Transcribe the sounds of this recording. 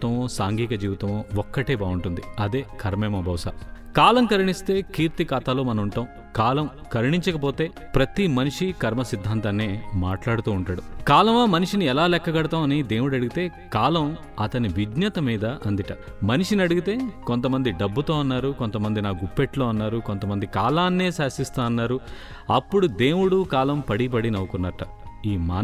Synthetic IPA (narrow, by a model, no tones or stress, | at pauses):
t̪ɐmoːsaːŋɡiːkɐd͡ʒiːʋit̪ɐmoːɔkːɐʈeːbaːuɳʈund̪iɐd̪e̞ːkʰɐɾmɛːmɐbʱɐʋsa̰ː | kaːlɐmkɐɾiɳist̪e̞ːkiːɾt̪ikaːt̪aːloːmɐnɐmuɳʈaːm | kaːlɐm | kɐɾiɳiɲt͡ʃɐkɐp̬o̞ːt̪e̞ː | pɾɐt̪imɐniʂikɐɾmɐsid̪ʱːaːnt̪aːnːeːmaːʈlaːɽut̪uːɳʈaːɽukaːlɐmaːmɐniʂiniɛlaːlɛkːɐɡɐɽɐt̪aːmɐnid̪e̞ːwuɽɐɽuɡit̪e̞ː | kaːlɐm | ɐt̪ɐniʋid̪ɲɐt̪ɐmiːd̪ɐʔɐnd̪iʈɐ | mɐniʂinɐɽuɡit̪e̞ːkont̪ɐmɐnd̪iɖɐbːut̪o̞ːɐnːaːɾuko̞nt̪ɐmɐnd̪inaːɡupːeʈlo̞ːɐnːaːɾuko̞nt̪ɐmɐnd̪ikaːlaːnːeːsaːsist̪aːɐnːaːɾu | ɐpːuɽud̪e̞ːwuɽukaːlɐmpɐɽip̬ɐɽinɐwɐkunːɐʈɐ | iːmaː